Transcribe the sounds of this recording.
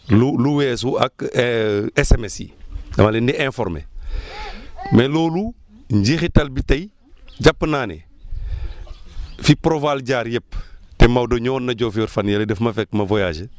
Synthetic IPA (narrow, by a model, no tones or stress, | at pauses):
luluwɛːs̬uɐk | esɛmesḭɐmalɛndiɛ̃fɔɾmḛ | mɛlɔːlu | ɲɟixitɐlbitɐj | ɟapːnaːnḛ | fipɾovalɟaːɾjɛpːtemawdoɲɔːnːɐɟɔːfiɔɾfɐnjɐledɛfmɐfɛkːmɐvojaːd͡ʒə